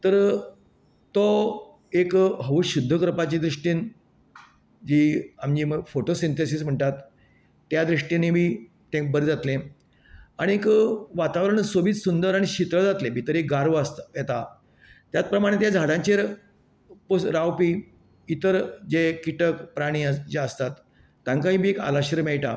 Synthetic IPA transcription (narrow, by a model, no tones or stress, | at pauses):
t̪əɾ | t̪ɔ | ekɦəʋɕud̪ʱːəkɾpat͡ɕid̪ɾuʂʈiːn | d͡ʑiːamd͡ʑiːməfoʈosint̪esism̤əɳʈat̪ː | jad̪ɾiʂʈinemiː | ʈ̪ẽk̚bəɾd͡zat̪lẽ | aɽ̃iekʋat̪aʋɾəɳ̃sobiːt̪sund̪əɾaɽ̃iɕit̪ɾəd͡zat̪lebʱit̪əɾeɡaɾʋjet̪a | t̪jat̪pɾəmaɽ̃et̪jad͡zʱaɽãɲt͡ɕeɾ | posɾawpiː | it̪əɾd͡ʑekiʈəkpɾaɽ̃iːd͡ʑeəst̪at̪ː | aŋkaɦĩbʱiːeka̰laɕəɾmeɭʈa